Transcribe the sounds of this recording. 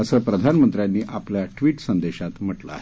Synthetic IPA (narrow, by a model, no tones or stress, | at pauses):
əsəːpɾəd̪ʱanmənt̪ɾjanːiːʔapljaʈʋiːʈsənd̪eɕat̪m̤əʈlə̰a̰ɦe